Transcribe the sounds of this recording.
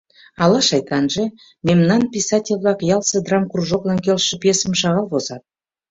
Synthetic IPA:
ɑlˠɑʃɑjt̪ɑnʒə | mʲemnanpʲisat̪ʲelʲvɑkjalˠsəd̪ramkruʒoq̪ɵŋkʲelˠʃəpʲesəmʃɑʁɑlˠbosɑt̪

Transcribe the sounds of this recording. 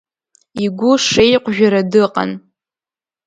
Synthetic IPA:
iɡʷʊʂejqʷʰʼʒᶣaɾadɨqʼa̰n

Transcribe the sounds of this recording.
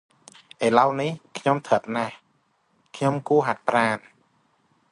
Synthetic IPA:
ʔeːlawnihkʰɲomt̪ʰət̪̚nah | kʰɲomkuəɦat̪̚praːn

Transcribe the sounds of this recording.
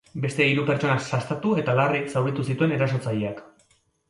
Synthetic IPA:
be̞st̪e̞iɾupe̞ɾt͡ʃo̞nasast̪at̪ue̞t̪alarisawβit̪usit̪ue̞ne̞ɾaso̞t͡sajiak

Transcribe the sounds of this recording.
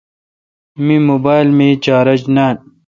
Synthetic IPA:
mimoːbaːjlmet͡ɕaːɾɐd͡ʑnaːn

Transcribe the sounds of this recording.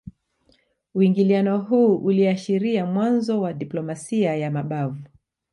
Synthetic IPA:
uiŋɡilianɔɦuːʔuliaʃiɾiamwanzɔwaɗiplɔmasiajamaɓavu

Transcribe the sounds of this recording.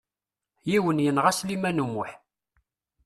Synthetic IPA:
jiwənjənʁæslimænumʊħ

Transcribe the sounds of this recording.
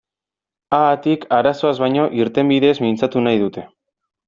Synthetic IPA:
aːt̪ikaɾaso̞azβajɲo̞ʔiɾt̪e̞mbiðe̞ːzmint͡sat̪unajðut̪e̞

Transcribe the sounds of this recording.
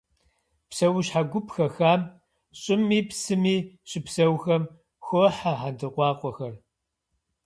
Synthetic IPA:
psɐwʊɕħaɡʷʊpxɐxaːm | ɕʼɪmːiːpsɨmiːɕʼɪpsɐwxɐm | xoħaħandɨqʷɑːqʷʼɔxɐr

